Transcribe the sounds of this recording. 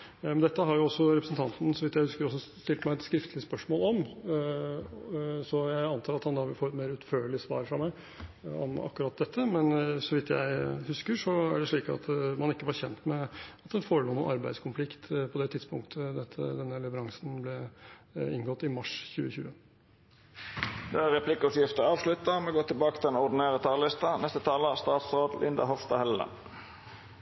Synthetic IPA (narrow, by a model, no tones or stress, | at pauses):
mɛnd̪ɛt̪ːəɦɑɾjʊɔsːɔɾɛpɾəsnt̪ʰɑnt̪n̩sɔʋɪt̪jæɪhʉskəɾɔs̬ːɔst̪ɪlt̪mæɪɛt̪skɾɪft̪əlɪəspœʂmoːlɔm | sɔjæɪɑnt̪ʰɑːɾɑt̪hɑnd̪ɑʋɪfoːɾɛt̪meːɾʉt̪føːɭɪsʋɑ̰ːɾfɾɑmæɪ | ɔ̰mɑ̰kːɾɑːt̪̚d̪ɛt̪ʰːəmɛnsɔʋɪt̪jæ̰ɪhʉskəʂɔæ̰ɖɛʂɭiːkɑ̰t̪mɑnɪkːəʋɑɾçɛnt̪mɛɑt̪d̪ɛnfoːɾəɭuːnṵːʔɑɾbæɪskʰʊnflɪkt̪pʰɔd̪ɛt̪ʰɪd̪spʊŋkt̪ʰəd̪ɛt̪ʰːə̰d̪ɛnːəlɛʋəɾɑŋsnblɛ | ɪŋɡɔt̪ːɪmɑʂçʉːəçʉːə | d̪ɛæɾɛpʰlɪkːʉt̪jɪft̪əɑːʋslʉt̪ːəmɛɡoːt̪ʰɪlbɑːkət̪ʰɪlɛnɔd̪ɪneːʁət̪ʰɑːlɪst̪ɑnɛst̪ət̪ʰɑːləst̪ɑːt̪sʁoːd̪lʔɪ̰nd̪ɑ̰hɔfst̪ɑhɛlːə̰n